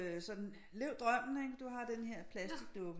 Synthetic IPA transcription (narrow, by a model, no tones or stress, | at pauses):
sɒ̽d̥n̩ | leʊd̥ʁɶm̰n̩eɡd̥uɦɑ̈d̥enɦeɐ̰pʰlæsd̥iɡ̥̚d̥ɔb̥